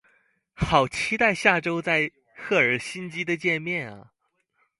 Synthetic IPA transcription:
xɑ˨˩ʊt͡ɕʰi˥t̪a˥˧ɪɕja˥˩ʈ͡ʂo˥ʊt͡sa˥˧ɪ | xɤ˥˩ə˞˨˩˥ɕi˥nt͡ɕi˥d̪ə˨t͡ɕjɛ˥˧nmjɛ˥˩nɐ̰˨˩

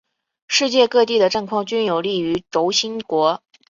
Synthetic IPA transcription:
ʂɻ̩˥˧t͡ɕjɛ˥˧kɤ˥˧t̪i˥˩d̪ə˩ʈ͡ʂɤ˥˧ŋkʰwɑ˥˩ŋt͡ɕy˥njo˨˩ʊli˥˩y˧˥ʈ͡ʂo˧˥ʊɕi˥nkwɔ˧˥

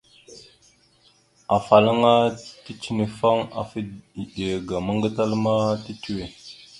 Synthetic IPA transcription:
a˨fa˨la˦ŋa˦ti˦t͡ʃi˦ni˨fa˦ŋa̰˨fi˦i˨ɗe˨ɡa˨ma˦ŋɡa˦ta˦lma˦ti˦tu˦we˨

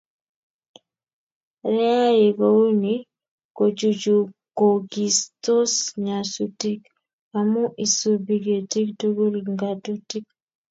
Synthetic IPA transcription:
ɾɛ˦a˦e˨ko˦u˦ni | ko˨d͡ʒu˨d͡ʒu˨koɡi˨sto˦sɲa˨suti˦k | amu˦ʔi˨subiɡe˨ti˦kto˦ɡo˦lŋɡatu˦ti˦k̚

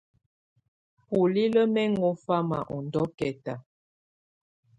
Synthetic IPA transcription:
pu˨li˦lə˦mɛ˦ŋɔ˦fa˦ma̰˨ʔɔ˨ndɔ˦kɛ˨ta˨

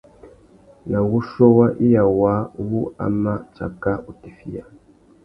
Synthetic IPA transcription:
na˨wu˦ʃo˦wa˦ʔi˦ja˨wa˨˦wu˦a̰˨ma˦t͡ʃa̰˨ka˦u˨ti˨fi˦ja˨

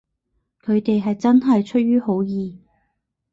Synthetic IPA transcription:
kʰɵ˨˧ɥt̪e˨jɦɐ˨jt͡sɐ˥nɦɐ˨jt͡ʃʰɵ˥t̚ɥyː˥ɦo˨˥wjiː˨

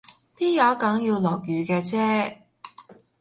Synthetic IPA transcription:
piː˥jɐ˨˧˥wkɐ˨˥ŋji˧wlɔː˨˩k̚jyː˨˧kɛː˧t͡sɛː˥

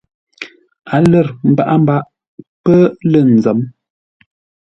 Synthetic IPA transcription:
a˨lə˦˨ɾm̩˦ba˦ʔa˦m̩˦ba˦ʔ | pə˦lə˦˨n̩˨zə˨˦m

